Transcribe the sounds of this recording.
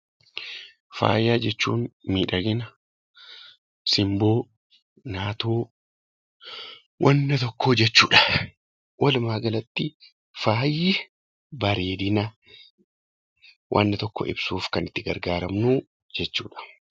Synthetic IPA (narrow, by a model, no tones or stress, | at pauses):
fa̰ːjaːd͡ʒɛt͡ʃːṵːnmiːᶑɐɡɪnɐ | sɪmboː | naːt̪oː | wʔɐnːɐt̪ɔkːoːd͡ʒɛt͡ʃːuːᶑɐ̥ | wʔɐlmaːɡɐlɐt̪ːɪ | faːjɪ | bɐɾeːd̪ɪnɐ | wʔɐ̰nːɐt̪ɔkːɔ̰ʔɪ̰b̥suːfkɐnɪt̪ːɪɡɐ̰ɾɡaːɾɐmnu | d͡ʒɛt͡ʃːṵːᶑɐ̥